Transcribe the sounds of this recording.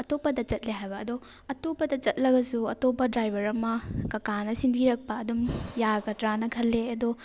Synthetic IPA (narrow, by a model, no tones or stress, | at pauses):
ɐtopːɐdɐt͡ʃɐt̚leɦajbɐːdo | ɐtopːɐdɐt͡ʃɐt̚lɐɡɐsuɐtopːɐdɾajbʱɐɾɐmɐkɐkanɐsinbʱiɾɐk̚pɐːdumjaɡɐtɾanɐkʰɐlːeɐdo